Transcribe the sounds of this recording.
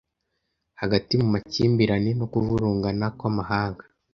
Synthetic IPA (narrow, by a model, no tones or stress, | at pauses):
haɡatimumaciːmbiɾanenokuvuɾuːŋɡanakwamaɦaːŋɡḁ